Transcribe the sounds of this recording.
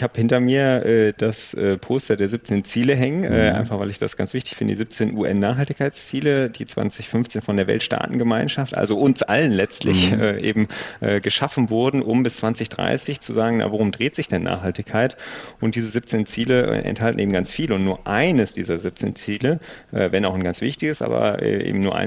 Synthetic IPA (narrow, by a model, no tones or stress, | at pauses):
ɪçhaːbhɪntɐmiːɐʔɛːd̥asʔɛːpʰoːstɐdeːɐzɪp̚t͡seːnt͡siːləɦɛŋənʔɛːʔa̰ɪnfaχvaɪlɪçd̥asɡ̥ant͡sv̥ɪçtɪ̥çfɪndədḭzɪp̚t͡seːnʔuːʔɛnːaːχhaltɪçkʰaɪt͡st͡siːləd̥iːt͡sv̥a̰nsɪçfʏnft͡seːnfɔndeːɐvɛ̰ltʃta̰ːtn̩ɡəmaɪnʃaftʔa̰lzoʊnsʔa̰lənlɛt͡stlɪçʔɛːʔḛːbm̩ʔɛːɡəʃafn̩vʊɐdn̩ʔʊmbɪst͡sv̥ant͡sɪçd̥ʁa̰ɪsɪçt͡suzaːɡŋ̩ja̰voʁʊmdʁeːtz̥ɪçd̥ɛnʔa̰ːχhaltɪçkʰaɪtʔʊnt̚d̥iːzəzɪp̚t͡seːnt͡siːləɛ̰ʔɛ̰nthaltn̩ʔeːbm̩ɡant͡sfiːləʊntnuːɐʔaɪnəsd̥iːzɐzɪp̚t͡sḛːnt͡siːləʔɛːvɛnaʊnɡant͡sv̥ɪçtɪɡəsʔa̰ːbɐ̰ʔɛ̰ːʔḛːbm̩nuːɐʔa̰ɪ